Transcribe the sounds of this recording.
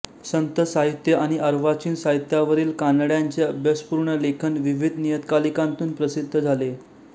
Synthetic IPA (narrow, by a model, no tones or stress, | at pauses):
sənt̪əsaɦit̪jəaɽ̃iʔəɾʋat͡ɕiːnsaɦit̪jaʋəɾiːlkanɽjaɲt͡seəbʱjaspuːɾɳəlekʰənʋiʋid̪ʱnijəd̪kalikãnt̪uːnpɾəsid̪ʱːəd͡zʱale